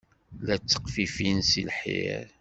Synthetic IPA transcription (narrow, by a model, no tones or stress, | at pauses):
læt͡sːə̥qfifinsilħḭɾ